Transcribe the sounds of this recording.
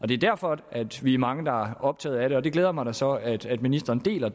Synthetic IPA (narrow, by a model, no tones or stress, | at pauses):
ʔɒ̽d̥e̝æd̥æɐ̰fɒʔæd̥ʋiæmɑ̈ŋəd̥ɑ̈æɐɒ̽b̥̚t͡sʰɛ̰ːð̩ˠæɾe̝ɒ̽d̥e̝ɡ̥leːð̞ˠɐmɑ̈ɪɾɑsɒ̽æd̥æd̥minisd̥ɐːnd̥e̝̰ːlɐ